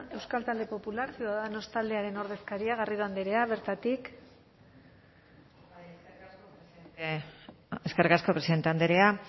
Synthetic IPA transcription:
e̞wskalt̪ald̪e̞po̞pulaɾsewðaðano̞st̪ald̪e̞aɾe̞no̞ɾðe̞skaɾiaɣ̞ariðoand̪eɾe̞aβ̞e̞ɾt̪at̪ik | eskerkasko̞pɾesiðe̞nt̪e̞and̪eɾea

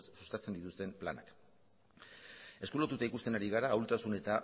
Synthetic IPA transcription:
ssust̪at͡se̞nd̪it̪ust̪e̞mpla̰na̰k | e̞skulot̪ut̪aikust̪e̞naɾiɣ̞aɾaːwlt̪asune̞t̪a

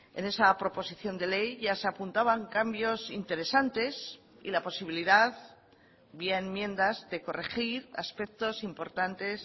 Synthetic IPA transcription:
e̞̰ne̞sapɾo̞po̞siθjo̞nd̪e̞le̞jʝaseapunt̪aβaŋkambjo̞sint̪e̞ɾe̞sant̪e̞s | ḭlapo̞siβiliðað | biaenmjẽ̞nd̪azðe̞ko̞rexiɾa̰spe̞k̚t̪o̞simpo̞ɾt̪ant̪e̞s

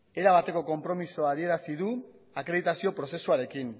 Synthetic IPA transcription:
e̞ɾaβ̞at̪e̞ko̞ko̞mpɾo̞misoað̞ie̞ɾasiðu | akɾe̞ðit̪asio̞pɾo̞se̞suaɾe̞kin

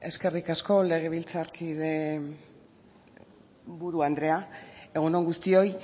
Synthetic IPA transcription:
e̞ske̞rikasko̞le̞ɣ̞e̞β̞ilt͡saɾkiðe̞ | βuɾuand̪ɾe̞ae̞ɣ̞uno̞ŋɡust̪io̞j

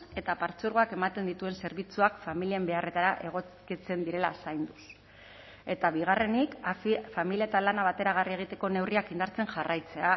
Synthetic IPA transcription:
e̞t̪apaɾt͡suɾɣ̞o̞ake̞mat̪e̞nd̪it̪ue̞nse̞ɾβit͡suakfamiliembe̞are̞t̪aɾaʔe̞ɣ̞o̞kit͡se̞nd̪iɾe̞la̰sajnd̪us | e̞t̪aβiɣ̞are̞nikfamilie̞t̪alanaβ̞at̪e̞ɾaɣ̞arie̞ɣ̞it̪e̞ko̞ne̞wriakind̪aɾt͡se̞nʝarajt͡se̞a

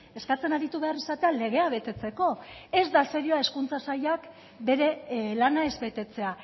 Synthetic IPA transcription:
e̞skat͡se̞naɾit̪uβe̞aresat̪e̞ale̞ɣ̞e̞aβ̞e̞t̪e̞t͡se̞ko̞e̞zd̪aseɾioae̞skunt͡sasajak | be̞ɾe̞lanae̞zbe̞t̪e̞t͡se̞a

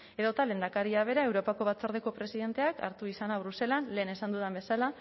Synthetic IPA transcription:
e̞ðot̪ale̞nd̪akaɾiaβ̞e̞ɾae̞wɾo̞pako̞βat͡soɾðeko̞pɾe̞siðe̞nt̪e̞aka̰ɾt̪uisanaβ̞ɾuse̞lanle̞ːnesand̪uðembe̞sala

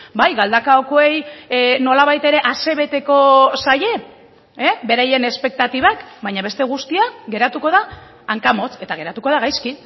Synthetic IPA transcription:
bajɣald̪akaokoe̞jno̞laβajt̪e̞ɾe̞ʔase̞βe̞t̪e̞ko̞saje̞ | ebe̞ɾaje̞ne̞spe̞k̚t̪at̪iβ̞akbajɲaβe̞st̪e̞ɣ̞ust̪iaɡe̞ɾat̪uko̞ð̞aː | ŋkamo̞t͡se̞t̪aɣe̞ɾat̪uko̞ð̞aɣajski

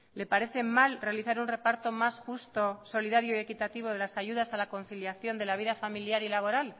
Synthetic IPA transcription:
le̞paɾe̞θe̞malre̞aliθaɾunre̞paɾt̪o̞masxust̪o̞so̞liðaɾjoie̞kit̪at̪iβ̞o̞ð̞e̞lasaʝuð̞asalako̞nθiljaθjo̞nd̪e̞laβ̞iðafamiljaɾilaβ̞o̞ɾal

